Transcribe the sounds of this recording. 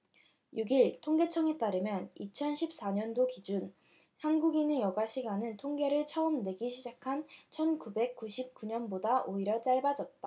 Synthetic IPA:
juɡiɭtʰoŋɡe̞t͡ɕʰʌŋe̞t͈aɾɯmjʌnit͡ɕʰʌnɕʰip̚s͈aɲʌndokid͡ʑun | hanɡuɡinɯnjʌɡaɕʰiɡanɯntʰoŋɡe̞ɾɯɭt͡ɕʰʌɯmdwe̞ɡiɕʰid͡ʑakʰant͡ɕʰʌnkube̞k̚k͈uɕʰip̚k͈uɲʌnbodaʔoiɾjʌt͡ɕ͈aɭbad͡ʑʌt̚t͈a

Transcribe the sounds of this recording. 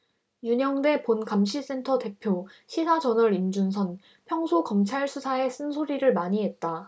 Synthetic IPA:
juɲʌŋde̞ponkamɕʰis͈e̞ntʰʌte̞pʰjoɕʰisʰad͡ʑʌnʌɾimd͡ʑunsʰʌn | pʰjʌŋsʰokʌmt͡ɕʰaɭsʰusʰae̞s͈ɯnsʰoɾiɾɯɭmaɲiɦe̞t̚t͈a

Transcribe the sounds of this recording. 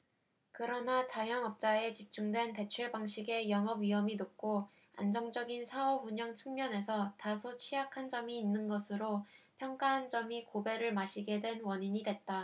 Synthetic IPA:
kɯɾʌnat͡ɕajʌŋʌp̚t͡ɕ͈ae̞t͡ɕip̚t͡ɕ͈uŋdwe̞nte̞t͡ɕʰeɭbaŋɕʰiɡe̞jʌŋʌbɥiɦʌminop̚k͈o | a̰nd͡ʑʌŋd͡ʑʌɡinsʰaʌbuɲʌŋt͡ɕʰɯŋmjʌne̞sʰʌtasʰot͡ɕʰɥijakʰand͡ʑʌmiːnːɯnɡʌsʰɯɾopʰjʌŋk͈aɦand͡ʑʌmikobe̞ɾɯɭmaɕʰiɡe̞dwe̞nwʌɲiɲidwe̞t̚t͈a

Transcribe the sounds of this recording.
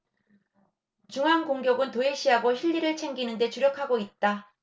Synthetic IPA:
t͡ɕuŋɦankoŋɡjʌɡɯntoe̞ɕ͈ʰiɦaɡoɕʰiʎːiɾɯɭt͡ɕʰe̞ŋɡinɯnde̞t͡ɕuɾjʌkʰaɡoit̚t͈a

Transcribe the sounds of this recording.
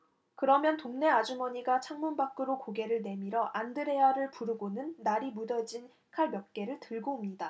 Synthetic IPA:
kɯɾʌmjʌntoŋne̞ad͡ʑumʌɲiɡat͡ɕʰaŋmunbak͈ɯɾokoɡe̞ɾɯɭne̞miɾʌʔandɯɾe̞aɾɯɭpuɾɯɡonɯnːaɾimudʌd͡ʑin | kʰaɭmjʌk̚k͈e̞ɾɯɭtɯɭɡoumɲida

